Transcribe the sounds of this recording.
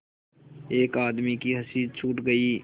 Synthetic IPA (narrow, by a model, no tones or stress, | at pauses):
eːkaːd̪mikiɦɐsiːd̪̚t͡ʃʰuːʈɡɐiː